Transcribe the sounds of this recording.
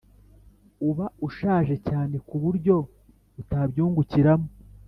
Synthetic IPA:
uβauʃaːʒe̞caːne̞kuβuɾɟo̞ | βutabɟuːŋɡuciɾamo

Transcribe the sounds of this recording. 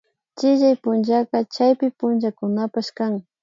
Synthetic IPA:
t͡ʃɪʒajpʊnʒakat͡ʃajpɪpʊnʒakʊnapaʃkaŋ

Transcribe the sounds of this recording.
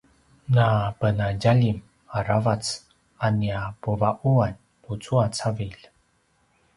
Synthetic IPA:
nabənaɟaʎim | aɾavat͡s | aniapuvaʔuan | put͡suat͡saviʎ

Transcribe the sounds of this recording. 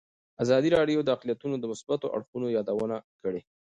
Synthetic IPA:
azɑd̪iɾɑɖjod̪əaqlijat̪unod̪əmʊsbat̪oʔa̰ɽxunojɑd̪awənakəɽe

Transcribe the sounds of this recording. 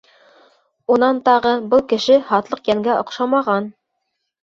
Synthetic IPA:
unɑnt̪ɑʁɤbɤlˠkɘ̆ʃɘhɑt̪lˠɤqjæŋɡæʔŏqʃɑmɑʁɑn

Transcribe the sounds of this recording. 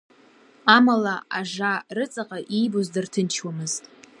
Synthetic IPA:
amalaaʒarɨt͡sʼaqʼaʔijbozdɨrtʰɨnt͡ʃʰwamɨztʼ

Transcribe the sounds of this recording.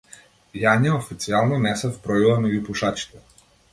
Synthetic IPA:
janiaofit̪sialˠnɔnɛsɛvpɾɔilˠamɛɟupuʃat͡ʃi̥t̪ɛ

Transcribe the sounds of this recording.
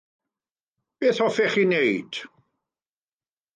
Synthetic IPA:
b̥eːθɔfɛχinejd̥

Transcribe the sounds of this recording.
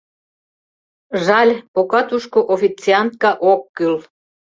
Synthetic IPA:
ʒɑlʲpokɑt̪uʃkoʔofit͡siɑnt̪̚kɑʔokːyl

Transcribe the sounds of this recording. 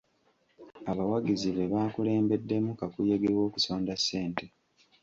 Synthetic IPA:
aβawaɡiziβe̞βaːkule̞ːmbe̞dːe̞mukakuje̞ɡewo̞ːku̥so̞ːndasːe̞ːnte̞

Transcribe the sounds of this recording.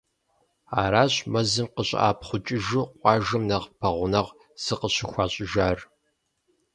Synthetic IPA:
aːɾaːɕʼmɐzɨmqəɕʼa̰ːpχʷʊt͡ʃʼɪʒɨqʷʼɑːʒɨmnɐʁpʰɐʁʷʊnɐʁ | z̥ɨqəɕɪxʷɑːɕʼɪʒaːr

